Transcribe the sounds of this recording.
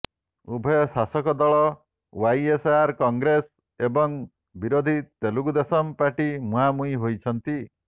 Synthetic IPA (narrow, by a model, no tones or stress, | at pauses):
ubʱɔjɔsasɔkɔd̪ɔɭɔ | wajesaɾkɔŋɡɾes | ebɔŋ | biɾod̪ʱit̪eluɡud̪esɔmpaɾʈimũɦamujɦojt͡ʃʰɔnt̪i